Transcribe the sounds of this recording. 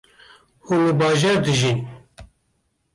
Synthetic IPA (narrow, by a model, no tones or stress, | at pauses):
hunləbɑːʒɛːɾd̪ɨʒin